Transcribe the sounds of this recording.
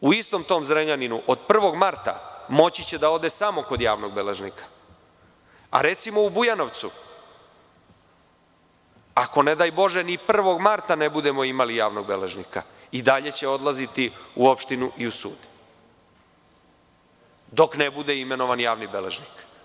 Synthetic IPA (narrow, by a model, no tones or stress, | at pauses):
uist̪o̞mt̪o̞ːmzɾeɲaninuʔo̞d̪pr̩ʋo̞ɡmaɾt̪a̰mo̞t͡ɕit͡ɕed̪ao̞d̪esamo̞ko̞d̪jaːʋno̞ɡ̚bele̞ʒnikʰḁ | a̰ɾe̞t̪simo̞ubujano̞ʋt̪su | ako̞ned̪aːjbo̞ʒenipr̩ʋo̞ɡmaɾt̪ane̞bud̪e̞mo̞imalijaːʋno̞ɡ̚be̞leʒnika̰ | id̪aʎe̞t͡ɕe̞o̞d̪lazit̪iuo̞pʃt̪inuʔiusṵːd̪ | d̪o̞knebud̪eime̞no̞ʋanjaːʋnibe̞lḛʒnik